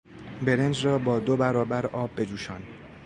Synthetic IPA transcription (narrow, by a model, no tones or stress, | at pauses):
be̞ɾend͡ʒrɒːbɒːd̪obæɾɒːbæɾʔɒːbːe̞d͡ʒuːʃɒːn